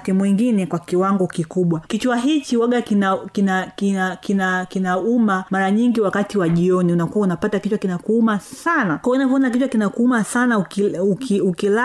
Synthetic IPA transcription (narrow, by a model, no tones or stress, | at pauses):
timuwɛŋɡinɛkwakiwaŋɡɔkikuɓwakit͡ʃwaɦit͡ʃiwaɡakinakinakinakinakinaumamaɾaɲiŋɡiwakatiwaʄiɔniunakuwaunapatakit͡ʃwakinakuumasanakwaunap̬ɔɔnak̬it͡ʃwakinakuumasanaukiukiukila